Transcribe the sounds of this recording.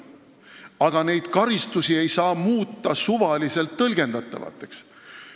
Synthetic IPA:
ɑɡ̥ɑne̞jd̪̥kɑɾist̪usie̞jsɑːmuːt̪ːˑɑsuvɑlise̞lt̪ːɤlɡ̥e̞nd̪̥ɑt̪ˑːɑ̰vɑ̰t̪ˑːe̞ks

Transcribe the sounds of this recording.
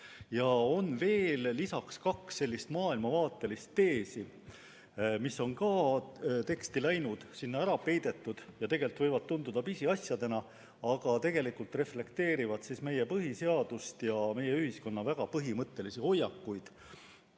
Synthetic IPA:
jɑo̞nve̞ːlːisɑkskɑksːe̞lʲːist̪mɑːilmɑvɑːt̪ːˑe̞list̪ːe̞ːsi | misːo̞nkɑ | t̪e̞kst̪ilæjnud̪̥sinːɑæɾɑpe̞jd̪̥e̞t̪ːˑud̪̥jɑt̪e̞ɡ̥e̞lt̪vɤ̞jvɑd̪̥̚t̪und̪ud̪̥ɑpisiɑsjɑd̪̥e̞nɑ | ɑɡ̥ɑt̪e̞ɡ̥e̞likult̪re̞fle̞kt̪e̞ːɾivɑd̪̥sisme̞jepɤɦise̞ɑd̪̥ust̪jɑme̞jeyhisko̞nːɑvæɡ̥ɑpɤɦimɤt̪ˑːe̞lisiho̞jːɑkːujd̪̥

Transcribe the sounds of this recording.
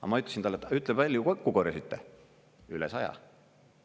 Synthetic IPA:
ɑ̰mɑyt̪ːˑesint̪ɑlːet̪yt̪ːˑlebvælʲjukokːukoɾjɑsyt̪ːe | ylɛsɑjɑ̰

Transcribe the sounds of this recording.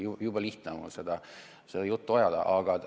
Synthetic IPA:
jujubɑliht̪nemṵlse̞d̪̥ɑ | sed̪̥ɑjut̪ːuojɑd̪̥ɑ̰ʔɑɡ̥ɑ

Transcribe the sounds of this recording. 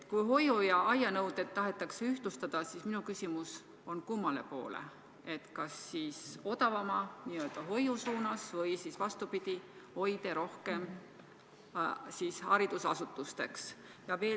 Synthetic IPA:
t̪kujɦo̞jujɑʔɑjɑnɤwd̪et̪ːɑɦe̞t̪ːˑɑkseyht̪lust̪ɑd̪̥ɑsisminukysʲimus | o̞nkumːɑle̞̰po̞ːlḛ | e̞t̪kɑsːiːso̞d̪ɑvɑmɑniøːld̪̥ɑɦo̞jusuːnɑsvɤjsisvɑst̪upid̪̥i | ho̞jd̪e̞ɾo̞hke̞m | siːshɑɾid̪̥usɑsut̪ːˑust̪e̞ks | jɑve̞ː

